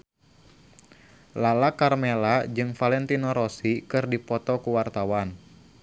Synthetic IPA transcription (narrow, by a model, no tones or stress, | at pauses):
lalakarmelad͡ʒɨŋfalɛnt̪inɔɾɔsikɨrdipɔt̪ɔkuwart̪awan